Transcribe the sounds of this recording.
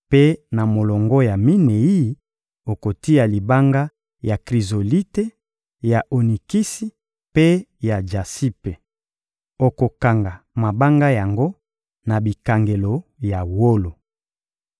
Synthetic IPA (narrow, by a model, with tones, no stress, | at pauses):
pe˦na˨mo˨lɔ˨ŋɡɔ˦ja˨mi˦ne˨i˦ | o˨ko˨ti˦a˨li˨ba˦ŋɡa˦ | ja˨kʁi˨zo˨li˦te˦ | ja˨ʔo˨ni˨ki˦si˦ | pe˦ja˨d͡ʒa˨si˦pe˨ | o˨ko˨ka˨ŋɡa˨ | ma˨ba˦ŋɡa˦ja˨ŋɡo˦ | na˨bi˨ka˨ŋɡe˨lo˨ja˨wo˦lo˨